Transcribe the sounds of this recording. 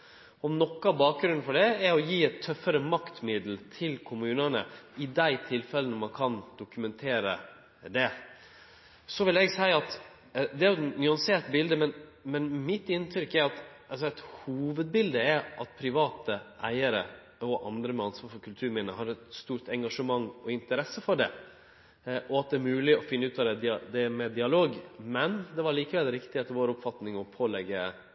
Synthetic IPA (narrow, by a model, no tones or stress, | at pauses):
ɔmnɔkːɑbɑːk̚ɡɾʉnfɔɖɛɛɾɔjiːɛt̪ʰːœfːəɾəmɑkt̪mɪd̪l̩t̪ʰɪlkʰʊmʉːnənə̰ɪd̪æɪt̪ʰɪlfɛlənɔmɑnkʰɑnd̪̥ʊkʉmɛnt̪ʰeːɾə | d̪ɛ | sɔʋɪlɛɡsæɪəɑt̪ | d̪ɛæɾjʊnyɑnseːɾt̪bɪld̪əmɛnmɛnmɪt̪ːɪnt̪ʰɾʏkːæɾɑt̪ | ɑsɔæt̪huːʋəd̪̚bɪld̪əɛɾʔɑt̪̚pʰɾɪʋɑːt̪əʔæ̰ɪəɾə̰ | ɔʔɑnd̪ɾəmɛɑnsʋɑːɾfɔɾkʰʉlt̪ʰʉːɾmɪnəɦɑɾɛt̪st̪uːɾt̪ɛŋɡɑʂəmɑŋːɔɪnt̪əɾɛsəfɔɖɛ | ʔɔɑt̪̚d̪ɛæɾmʉːlɪɔfɪnːəʉːt̪ɑd̪ɛd̪ɪd̪ɛmɛd̪ɪɑloːɡmɛnd̪ɛʋɑɾɭiːkəʋɛlɾɪkt̪ɪheːt̪əʋoːɾɔpfɑt̪nɪŋɔpʰoːlɛɡːə